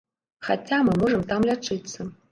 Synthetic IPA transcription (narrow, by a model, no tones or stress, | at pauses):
xa̰t͡sʰʲamɨmoʐəmt̪amlʲaʈ͡ʂʰʼɨt͡sːɐ